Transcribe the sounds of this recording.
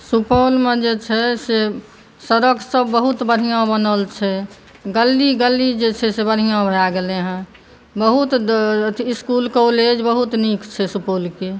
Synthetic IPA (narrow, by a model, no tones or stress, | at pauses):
supolmẽd͡ʒet͡ʃʰɛse | səɾəkʰsəbːəɦut̪bəɾɦijãbənəlt͡ʃʰɛ | ɡəlːiɡəlːid͡ʒet͡ʃʰɛsebəɾ̤ijãbʱəjaɡeleɦɛ̃ | bəɦut̪ | ɪskulkoled͡ʒbəɦut̪nikt͡ʃʰɛsupolke